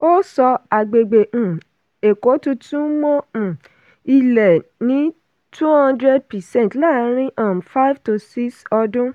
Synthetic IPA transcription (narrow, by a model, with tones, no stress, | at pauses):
o˦sɔ˧a˨ɡ͡be˨ɡ͡bẽ˨ | e˨ko˨˦tũ˧tũ˦mɔ̃˦˨ | i˧lɛ˨nĩ˨˦ | tʰu˦hã˧ndɾe˦d̚pɛ˨sɛ̃˦˨tla˦˨˦ɾ̃ĩ˦ʔa˨mfa˦jvto˨si˦sɔ˧dũ˦